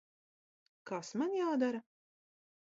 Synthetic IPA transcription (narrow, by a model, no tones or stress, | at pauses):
kasmanjaːd̪aɾa